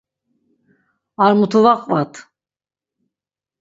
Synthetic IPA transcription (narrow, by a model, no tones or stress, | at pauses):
aɾmut̪ʰuvaqvat̪ʰ